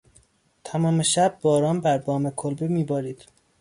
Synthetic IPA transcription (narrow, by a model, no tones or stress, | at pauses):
t̪ʰæmɒːmeʃæbːɒːɾɒːnbæɾbɒːmekʰolbemiːbɒːɾiːd̪̥